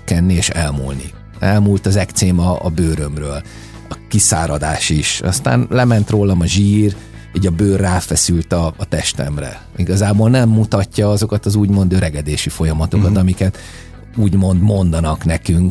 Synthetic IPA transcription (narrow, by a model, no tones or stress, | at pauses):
kːɛnːieːʃɛlmṵːlnḭ | ɛlmuːlt̪ɒzɛkt̪seːmɒ̰ːbøːɾømrøːl | ɒkisa̰ːɾɒd̪a̰ːʃiʃɒ̰st̪a̰ːnlɛmɛnt̪roːlɒmɒʒiːr | iːɟɒbøːrːaːfɛsylt̪ɒːt̪ɛʃt̪ɛ̰mrɛ̰ | iɡɒzaːboːlnɛmːut̪ɒcːɒɒzo̞kɒt̪ɒzuːɟmo̞nd̪øːɾʔɛɡɛd̪eːʃifo̞jɒmɒt̪o̞kɒt̪ɒmikɛt̪ | uːɟmo̞nd̪mo̞nd̪ɒnɒknɛkyŋk